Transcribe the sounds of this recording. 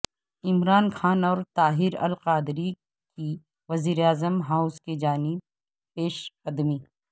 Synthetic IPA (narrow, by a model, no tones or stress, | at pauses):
ɪmɾaːnkʰaːnɔːɾt̪aːɦɪɾɐ̰lqaːd̪ɾi | ki | ʋɐziːɾeaːzəmɦaːʊzked͡ʒaːnɪb̚ | peːʃɐd̪miː